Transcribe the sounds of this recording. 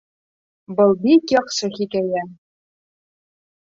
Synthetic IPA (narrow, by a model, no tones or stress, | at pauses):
bɤ̆lˠbikjɑχʃɤ̆xikæjæ